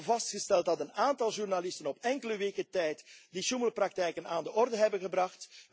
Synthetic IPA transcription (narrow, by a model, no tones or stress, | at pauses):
vɑstxəstɛlˠt̚dɑtənaːntɑlˠʒurnalɪstənɔpɛŋkələʋeːkətɛjtdiʃuməlprɑk̚tɛjkənaːndəʔɔrdəɦɛbəɣəbrɑxt